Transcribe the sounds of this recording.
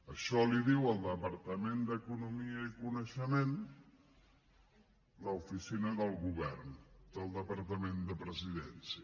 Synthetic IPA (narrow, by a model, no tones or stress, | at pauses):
əʃɔliðiwəlˠd̪əpəɾt̪əmend̪əkunumiəikunəʃəmẽn | ləufisinəðəlˠɣuβɛ̰rnd̪̥əlˠd̪əpəɾt̪əmend̪əpɾəziðɛnsiə